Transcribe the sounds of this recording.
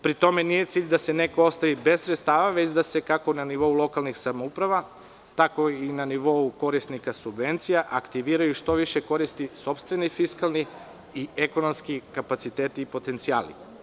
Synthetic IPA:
pɾit̪o̞me̞nije̞t̪siːʎd̪ase̞ne̞koost̪aʋibe̞zssɾet̪st̪aːʋaʋet͡ɕd̪ase̞kako̞naniʋo̞ulˠo̞kalˠnixsamoupɾaʋa | t̪ako̞inaniʋo̞uko̞ɾisnikasubʋe̞nt̪sijaʔakt̪iʋiːɾajuʃt̪o̞ʋiʃeko̞ɾist̪iso̞pst̪ʋe̞nifiskalˠniː | eko̞no̞mskikapat̪sit̪eːt̪iːpo̞t̪e̞nt̪sia̰ːlḭ

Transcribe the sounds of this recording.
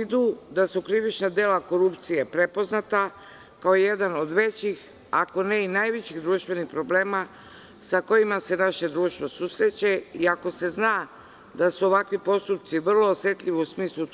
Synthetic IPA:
id̪ud̪asukɾiʋit͡ʃnad̪e̞ːlako̞ɾupt̪sije̞pɾepo̞znat̪a | kaoije̞d̪ano̞d̪ʋe̞t͡ɕix | ako̞ne̞inajʋet͡ɕiɣd̪ɾuːʃt̪vʋe̞nixpɾoble̞ːma | sako̞jimase̞naʃe̞d̪ɾuːʃt̪ʋo̞suːsɾe̞t͡ɕe̞iako̞se̞znaː | d̪asuo̞ʋakʋipo̞st̪up̚t̪siʋr̩lˠo̞ːsje̞t̪ʎʲiʋiusmiːslˠu

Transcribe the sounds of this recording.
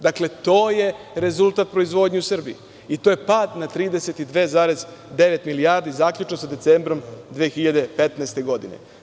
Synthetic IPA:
d̪akle̞t̪o̞ːje̞ɾe̞zulˠt̪aːt̪̚pɾo̞izʋo̞ːd̪ɲeusr̩bḭi | it̪oje̞paːd̪nat̪ɾiːd̪ese̞t̪id̪ʋezaːɾezd̪e̞ʋet̪milijaːɾd̪izaːkʎut͡ʃnosad̪et̪seːmbɾo̞md̪ʋeːxiʎad̪e̞pet̪naest̪e̞ɡo̞d̪inḛ

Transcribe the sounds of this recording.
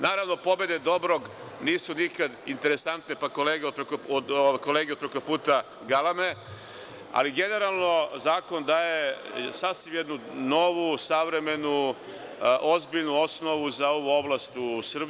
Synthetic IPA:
naːɾaʋno̞po̞be̞d̪ed̪o̞bɾoɡ | niːsunikad̪int̪e̞ɾe̞sant̪ne̞pako̞leːɡeod̪pɾekooko̞leːɡed̪̚pɾekopuːt̪a | ɡalˠame̞ | a̰liɡe̞ne̞ɾalˠno̞zaːko̞nd̪aːje̞sasʋimjed̪nuno̞ʋusaʋɾe̞me̞nu | ʔo̞zbiʎnuo̞sno̞ʋuzao̞ʋuo̞blast̪usr̩b

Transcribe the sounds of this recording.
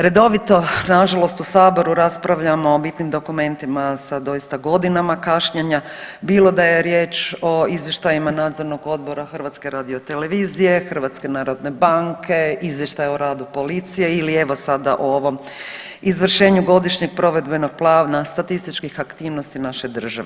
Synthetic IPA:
ɾe̞d̪o̞ʋit̪o̞naʒalo̞st̪usaːbo̞ɾuɾaspɾaʋʎamoːbit̪nimd̪o̞kume̞nt̪imasad̪o̞jist̪aɡo̞d̪inamakaʃɲeɲabiːlo̞d̪aje̞ɾje̞ːt͡ʃo̞izʋjeʃt̪ajimanaːd̪zo̞ɾno̞ɡo̞d̪bo̞ɾaxr̩ʋat̪ske̞ɾaːd̪iot̪e̞le̞ʋiːzije̞xər̩ʋat̪ske̞naːɾo̞d̪ne̞baŋkʰe̞izʋjeʃt̪ajoɾaːd̪upo̞lit̪sije̞ilie̞ʋo̞sad̪aʔooʋo̞m | izʋr̩ʃe̞ːɲuɡo̞d̪iʃɲeɡ̚pɾo̞ʋe̞d̪be̞no̞ɡ̥̚plˠaːʋnast̪at̪ist̪it͡ʃkixakt̪iːʋno̞st̪inaʃed̪r̩ʒa̰ʋe

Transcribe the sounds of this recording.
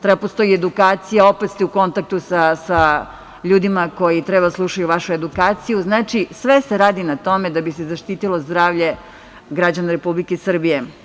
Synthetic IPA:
t̪ɾebapost̪o̞jied̪ukaːt̪sijao̞pet̪st̪ɛuko̞nt̪ak̚t̪usasa | ʎuːd̪imako̞jit̪ɾebad̪aslˠuʃajuʋaʃue̞d̪ukaːt̪sijuznaːt͡ʃisʋeseɾaːd̪inat̪o̞med̪abisezaʃt̪iːt̪ilo̞zd̪ɾaːʋʎe̞ | ɡɾad͡ʑanaɾepublikesr̩bije

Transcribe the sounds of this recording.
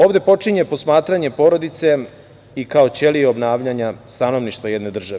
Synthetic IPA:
o̞ːʋd̪e̞po̞t͡ʂiɲepo̞smaːt̪ɾaɲe̞po̞ːɾo̞d̪it̪se̞ | ikao̞t͡ɕe̞lieobnaːʋʎaɲast̪ano̞ʋniʃt̪ʋajed̪ne̞d̪r̩ʒaʋe

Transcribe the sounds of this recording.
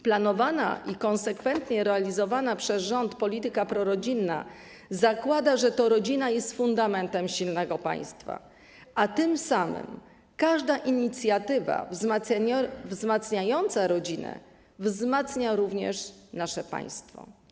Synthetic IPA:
planɔvana̰ʔikɔ̃nsɛkfɛnt̪ɲɛɾɛalʲizɔvanapʂɛzʐɔnt̪pɔlʲit̪ɘkapɾɔɾɔd͡ʑinːa̰ | zakwad̪aʐɛt̪ɔɾɔd͡ʑinajɛst̪fund̪amɛnt̪ɛmɕilnɛɡɔpa̰j̃st̪fa̰ | ʔat̪ɘmsamɘ̰m | kaʐd̪aʔiɲit̪sʲjat̪ɘva̰vzmavzmat̪sɲajɔnt̪saɾɔd͡ʑinɛ̰ | vzmat̪sɲaɾuvɲɛ̰ʂnaʂɛpa̰j̃st̪fɔ̰

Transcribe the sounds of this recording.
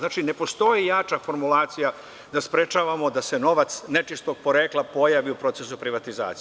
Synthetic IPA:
naːt͡ʃine̞po̞st̪o̞jejaːt͡ʃafo̞ɾmulˠaːt̪sija | d̪aspɾet͡ʃaʋamo̞d̪ase̞no̞ʋat̪snet͡ʃist̪oɡ̚poɾeːklˠapo̞jaʋiupɾo̞t̪se̞supɾiʋat̪iza̰ːt̪s

